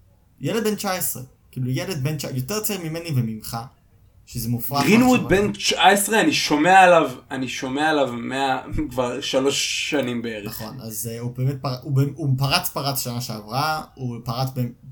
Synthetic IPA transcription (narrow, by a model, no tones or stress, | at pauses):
jeled̚bent͡ʃaesʁḛ | kiːlujeled̪̚be̞nt͡ʃajoteʁt͡saimimenivemimχa | ʃezemufʁaʁinwud̪bent͡ʃaesʁeaniʃo̞meaːlavaniʃo̞meaalavmeakvaʁʃalo̞ʃːanimbeeʁeaχo̞na̰zeubeːmet̪̚paʁaubemupaʁat͡spaʁat͡sʃanaʃeavʁaupaʁat͡sbem